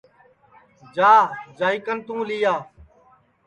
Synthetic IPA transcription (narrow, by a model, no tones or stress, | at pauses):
d͡ʒaːd͡ʒaːiːkənt̪ũːliːjaː